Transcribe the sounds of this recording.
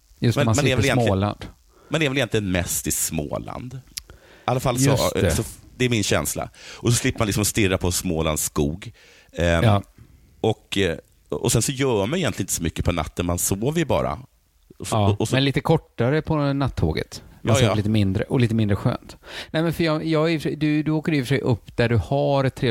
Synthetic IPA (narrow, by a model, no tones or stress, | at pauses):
jɵstmɛnmmɛnɛɾvɛlɪɛnloɪːla̰nd̪̥ | mɛnɛɾvɛlɪjɛnt̪lɪənmɛst̪ɪsmo̰ːla̰nd̪ | alːafalːsɔssɔd̪ɛæɾmɪnɕɛ̰nsla̰ʔɔsɔslɪpːəmanɪksɔmst̪ɪrːapʰɔsmoːla̰nd̪sskuːɡ | ɔk | ɔ̰sɛnsɔjœːmanɪjɛnlɪnɪt̪əsɔmʏkːəpʰɔna̰t̪ːənmansoːvəɾbɑ̰ːɾa̰ | ɔɔmɛnliːt̪əkʰɔʈːaɾəpʰɔnat̪ʰːo̰ːɡə̰t̪aliːt̪əmɪnd̪ɾəʔɔliːt̪əmɪnd̪ɾəɧø̰ːnt̪nɛmɛnfœjɑjɑːɛfʂɛd̪ɵd̪ɵoːkəɾɪfœʂɛjʔɵpːd̪̥æɖɵhaɾɛt̪ʰːɾeː